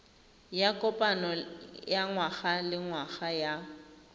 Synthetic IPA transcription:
jakʼɔpʼanɔjaŋwaɣalɪŋwaɣaja

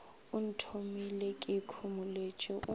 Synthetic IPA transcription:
ʊn̩tʰomilekʼɪkʰumʊlet͡ʃʼɛʔʊ

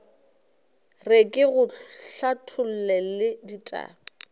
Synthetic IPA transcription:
rekʼɪɣʊɬatʰʊl̩lɛlɪditʼa̰ːɔ

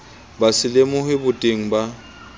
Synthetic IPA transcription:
basɪlemʊhɪbʊtʼeŋ̩ba

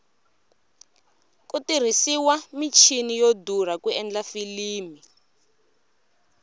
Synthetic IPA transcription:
kʼutir̤isiwamit͡ʃʰinijodur̤akuɛnd͡ɮafiliːmi

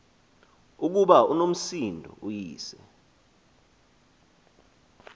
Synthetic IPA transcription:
uk̬uɓaunom̩sindʱɔ̰ʔujiːsɛ

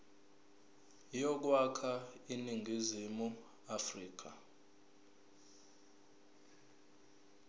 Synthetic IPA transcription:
jɔk̬wakʰainiŋɡʱizimu | afriːk̬ʰa̰

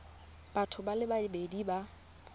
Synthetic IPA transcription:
b̥atʰʊbalɪbaɪbediba

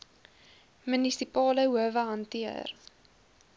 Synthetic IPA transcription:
mənisipɑːləɦuəvəɦɐntiə̰r

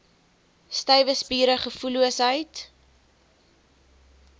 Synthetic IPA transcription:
stœjvəspiːɾəχəfuluəsɦəjt

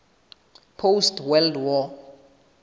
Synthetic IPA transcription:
pʰowstwɛldwɔ

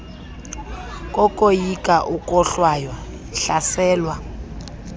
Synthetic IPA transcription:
kʼɔkʼojikʼaʔukʼɔɬwajɔ | ɬasɛːlwa

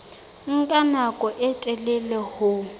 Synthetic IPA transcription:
ŋ̩kʼanakʼɔʔɛtʼɛlɛlɛhʊ

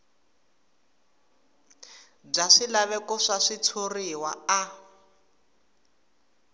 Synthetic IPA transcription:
b͡ʐaʂilaβɛkɔʂaʂit͡sʰuriwaa

